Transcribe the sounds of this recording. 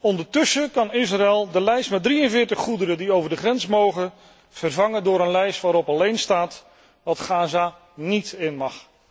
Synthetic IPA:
ɔndəɹtɵsəkɑnɪs̬raɛlˠdəlɛjstmɛt̚driənvɪːɹtəχːudəɾədiowvəɹdəχrɛnsmowχən | v̥ərvɑŋəndʊːɾənlɛjstʋaːɾɔpɑlejnstaːt | ʋɑtχaːza | nitɪnmɑχ

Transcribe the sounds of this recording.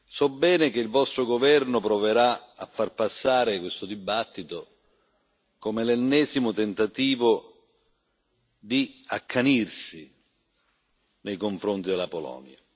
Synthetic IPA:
sɔbːɛːnekeilvɔst̪ɾoɡovɛrnʊpɾɔveɾaafːarpasːaːɾɪkwest̪ʊd̪ibat̪ːit̪o | komelɛnːɛːzimʊt̪ent̪at̪iːvʊ | d̪iakʰːanirsi | nejkoɱfɾont̪id̪elapolɔ̰ːnja̰

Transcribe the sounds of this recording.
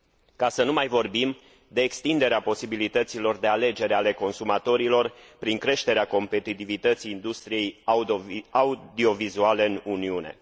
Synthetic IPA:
kasənumajvo̞rbim | d̪e̞ːkst̪ind̪e̞ɾeapo̞sibilit̪ət̪silo̞rd̪e̞ale̞d͡ʒe̞ɾeale̞ko̞nsumat̪o̞ɾilo̞rpɾiŋkɾe̞ʃt̪e̞ɾeako̞mpe̞t̪it̪ivit̪ət̪sijːnd̪ust̪ɾije̞j | aud̪io̞vizuale̞ɨnuniune̞̰

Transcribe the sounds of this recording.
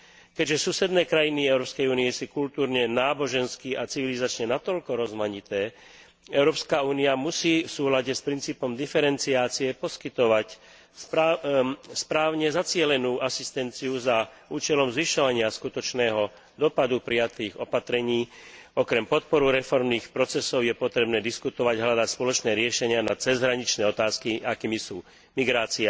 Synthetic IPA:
kɛɟʒɛsusɛd̪nɛːkɾajiniɛʊɾɔːpskɛjuːniɛsukult̪uːɾɲɛnaːbɔʒɛnskiʔat͡siʋilizat͡ʃɲɛnat̪ɔʎkɔɾɔzmaɲit̪ɛː | ɛʊɾɔːpskauːniamusiːfsuːlaɟɛspɾint͡siːpɔmd̪ifɛɾɛnt͡siaːt͡siɛpɔskit̪ɔʋac | spɾaːʊɲɛzat͡sɪɛlɛnuːʔasist̪ɛnt͡siuza | uːt͡ʃɛlɔmzʋiʃɔʋaɲɪaskut̪ɔt͡ʃnɛːɦɔ | d̪ɔpad̪upɾijat̪iːɣɔpat̪ɾɛɲiːɔkɾɛmpɔt̪̚pɔɾuɾɛfɔɾmniːxpɾɔt͡sɛsɔʊjɛpɔt̪ɾɛbnɛːd̪iskut̪ɔʋaɟɦlad̪acspɔlɔt͡ʃnɛːɾɪɛʃɛɲɪanat͡sɛzɦɾaɲit͡ʃnɛːɔt̪aːskiakiːmisuː | miɡɾaːt͡sia

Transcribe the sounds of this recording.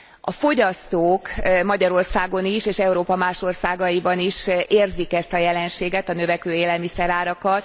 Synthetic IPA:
ɒfo̞ɟɒst̪oːkmɒɟɒɾo̞rsaːɡo̞niʃeːʃɛuɾoːpɒmaːʃo̞rsaːɡɒjibɒniʃeːrzikɛst̪ɒjɛlɛnʃeːɡɛt̪ɒnø̞vɛkøːeːlɛlmisɛɾaːɾɒkɒt̪

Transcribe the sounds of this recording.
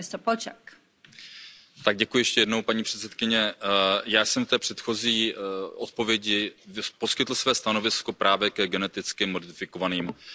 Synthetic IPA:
ɪst̪ɾpolt͡ʃɛk | t̪aɡ̚ɟɛkujʊjɛʃcɛjɛdno̞wpaɲiːpr̝̥ɛt̪sɛt̪kɪɲɛjaːsɛmft̪ɛːpr̝̥ɛt̪xo̞ziːʔo̞t̪̚po̞vjɛɟɪpo̞skɪt̪l̩svɛːst̪ano̞vɪsko̞pɾʔaːvjɛkɛɡɛnɛt̪ɪt͡skɪmo̞dɪfɪko̞vaniːm

